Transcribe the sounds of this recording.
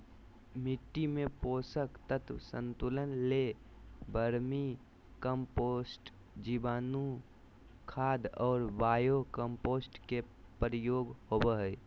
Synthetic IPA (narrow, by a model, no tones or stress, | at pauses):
mɪʈːimẽpoːsəkt̪ət̪wsə̰̃nt̪ulənle | bʱəɾmi | kəmposʈ | d͡ʒibaːnu | kʰaːd̪ɔːɾbaːjokəmpoːsʈke | pɾəjoːɡhobəɦəj